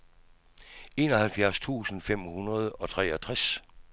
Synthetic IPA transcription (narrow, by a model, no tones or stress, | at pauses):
e̝ːnɒ̽ɦælfjæɐst͡sʰṵːsən̩fem̰hunɐð̞ˠɒ̽t͡sʰʁɛ̰ɒt͡sʰʁas